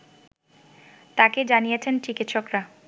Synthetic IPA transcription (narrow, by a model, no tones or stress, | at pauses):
t̪aked͡ʑanijet͡ɕʰent͡ɕikit̪ːʃokɾa